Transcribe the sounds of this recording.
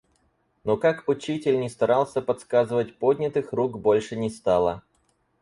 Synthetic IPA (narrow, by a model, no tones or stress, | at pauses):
nokakʊt͡ɕitʲɪlʲnʲɪst̪ɐɾalˠsʲəpɐt̪skazɨvət̚ʲpodʲnʲɪt̪ɨxruɡbo̞lʲʂɨnʲɪst̪alˠə